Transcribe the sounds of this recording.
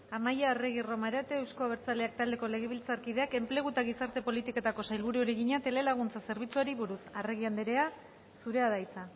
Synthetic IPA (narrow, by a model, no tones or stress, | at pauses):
amajareɣ̞iro̞maɾat̪eːwskoaβeɾt͡sale̞ak̚t̪ald̪e̞ko̞le̞ɣeβilt͡saɾkið̞e̞ake̞mple̞ɣ̞ut̪aɣ̞isaɾt̪e̞po̞lit̪iko̞t̪ako̞sajlβuɾuoɾeɣiɲat̪e̞le̞laɣ̞unt͡sase̞ɾβ̞it͡suaɾiβuɾusareɣiand̪eɾe̞a | suɾe̞aðajt͡sa